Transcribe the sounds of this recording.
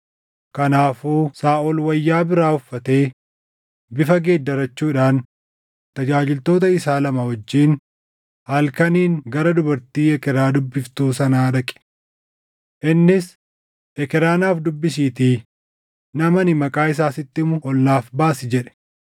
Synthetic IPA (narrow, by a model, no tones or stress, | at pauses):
kɐnaːfuːsaːʔɔlwɐjːaːbɪɾaːʊfːɐt̪eː | bɪfɐɡe̞ːd̪ːɐɾɐt͡ʃːuːᶑaːn | t̪ɐd͡ʒaːd͡ʒɪlt̪o̞ːt̪̬ɐɪsaːlɐmɐhɔd͡ʒːiːn | hɐlkɐniːŋɡɐɾɐd̪ʊbɐɾt̪iːɛkɛɾaːd̪ʊbːɪft̪uːsɐnaːɗɐkʼɛ̥ | ʔɪnːɪs | ʔɛkɛɾaːnaːfd̪ʊbːɪs̬iːt̪iː | nɐmɐnɪmɐkʼaːɪs̬aːsɪt̪ːɪmʊɔlnaːfbaːsɪd͡ʒɛᶑɛ̥